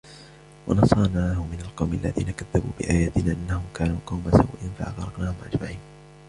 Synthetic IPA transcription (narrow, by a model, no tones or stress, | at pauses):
wɑnɑsˤɑːnaːhʊmɪnalqɑwmʔalːa̰ðḭːnakaðːabuːbɪʔaːjaːt̪ɪnaːʔanːahʊmkaːnuːqɑwmasawʔɪːnfa̰ʔa̰ɣɾˤɑknaːhʊmʔad͡ʒmaʕiːn